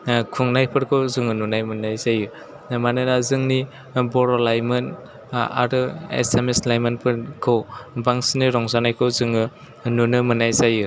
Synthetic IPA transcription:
kʰuŋnajpʰɯɾkʰɯwzɯŋɯnunajmɯnajzajɯ | manɯnazɯŋni | bɔɾɔlajmɯn | a̰ɾɯḛsemeslajmanpʰɯɾkʰɯwbaŋsiniɾɔŋzanajkʰɯwzɯŋɯ | nunɯmɯnajzajɯ

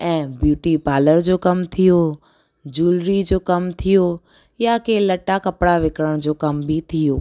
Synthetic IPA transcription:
ɛ̃ːbjuːʈipaːləɾd͡ʑoːkɐmt̪ʰijo | d͡ʑuːlɾid͡ʑoːkɐmt̪ʰijo | jakelɐʈakɐpɽaʋɪkɽəɽ̃d͡ʑoːkɐmbʱit̪ʰijoː

